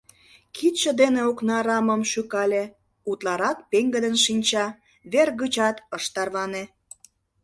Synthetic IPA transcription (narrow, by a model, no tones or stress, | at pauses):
kʰit̪ʃə̆d̪eneoknɑɾɑməmʃykɑlʲe | ut̪lɑɾɑk̚peŋɡəd̪ənʃinʲt͡ɕɑ | βerɣɯt͡ɕɑt̪əʃt̪ɑrβɑne